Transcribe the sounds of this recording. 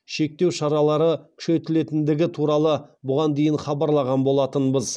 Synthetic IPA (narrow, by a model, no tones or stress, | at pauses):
ʃe̞k̚t̪e̞wʃɑɾɑlˠɑɾəkʲʰʏ̥ʃe̞t̪ɪle̞t̪ɪnd̪ɪɡʲɪt̪ʰuɾɑlˠəbʊʁɑnd̪e̞jɪnχɑbɑɾlˠɑʁɑnbo̞lˠɑt̪ənbəz